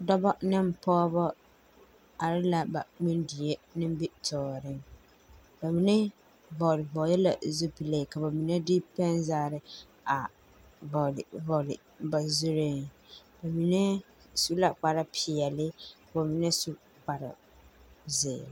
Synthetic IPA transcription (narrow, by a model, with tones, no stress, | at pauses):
dɔ˦bɔ˦nɪ˦m˦˨pɔ˦bɔ˦ | a˨ɾɪ˦la˨ba˨ŋ͡mi˦ndi˨je˦nɪ˦m˦bɪ˦tʰɔː˨ɾɪ˦ŋ | ba˨mi˨nɛ˦ | vɔ˨lɪ˨vɔː˨˦jɛ˦la̰˨zu˦pi˨le˦˨ka˨ba˨mi˨nɛ˦dɪ˦pɛ˦nzaː˦˨ɾɪ˦ | a˨ | bɔ˨lɪ˨vɔ˨lɪ̰˨ | ba˨zu˦ɾɪ˦ŋba˨mi˨nɛ˦ | su˦la˨k͡pa˨ɾa˦pʰɪ˨ɛ˨lɪ˦ka˨ba˨mi˨nɛ˦su˦ | k͡pa˨ɾa̰˨ | zɪ̰ː˨l